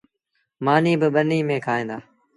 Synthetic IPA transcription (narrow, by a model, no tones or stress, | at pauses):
maːniːbɪɓəniːmẽːkʰaːɦẽːnd̪aː